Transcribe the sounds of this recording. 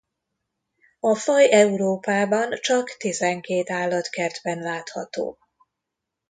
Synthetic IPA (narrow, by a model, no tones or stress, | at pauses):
ɒfɒjɛuɾoːpaːbɒnt͡ʃɒkt̪izɛŋkeːt̪aːlːɒt̪kɛrd̪bɛnlaːt̪hɒ̰t̪o̰ː